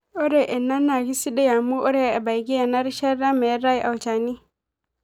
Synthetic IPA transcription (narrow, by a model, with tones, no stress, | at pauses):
ɔ˦ɾe˨ʔɛ˨nːa˦nːa˨ɡi˦si˦da˦ja˨mu˦ʔɔ˦ɾe˦a˨a˨ba˨jɡi˦a˨na˦ɾi˦ʃa˦ɾa˦ma˨ja˦ɾa˦ji˨ʔa˨wt͡ʃa˨ni˦